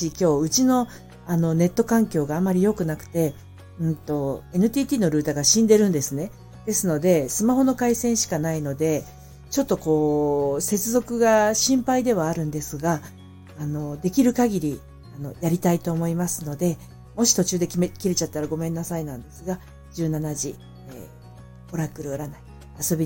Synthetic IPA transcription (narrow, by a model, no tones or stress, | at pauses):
ikʲo̞ːɯ̟t͡ɕino̞ | ano̞ne̞t̪ːo̞kãŋkʲo̞ːɡaːmːaɾʲijo̞kɯ̟nakɯ̟̥t̪e̞ | ɯ̟̃nt̪o̞e̞nɯ̟t̪ʲiːt̪ʲiːno̞ɾɯ̟ːt̪aɡaɕĩnd̪e̞ɾɯ̟̃nd̪e̞sɨne̞ | d̪̥e̞sɨno̞d̪e̞sɨmaho̞no̞kaisẽ̞ɰ̃ɕi̥kanaino̞d̪e̞ | t͡ɕo̞t̪ːoko̞ːse̞t͡sɨzo̞kɯ̟ɡaɕĩmpaid̪e̞β̞aːɾɯ̟̃nd̪e̞sɨɡaː | no̞d̪e̞kʲiɾɯ̟kaɡʲiɾʲi | ano̞̰jaɾʲit̪ait̪o̞ːmo̞imasɨno̞d̪e̞ | mo̞ɕi̥t̪o̞t͡ɕɨːd̪e̞mkʲiɾe̞t͡ɕat̪ːaɾaɡo̞mẽ̞nːasainãnd̪e̞sɨɡa | d͡ʑɨːnanaʑi | ḛ | o̞ɾakɯ̟ɾɯ̟oɾanai | aso̞bʲi